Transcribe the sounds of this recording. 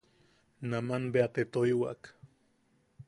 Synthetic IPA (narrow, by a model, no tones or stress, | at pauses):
namanbeat̪et̪oiwa̰k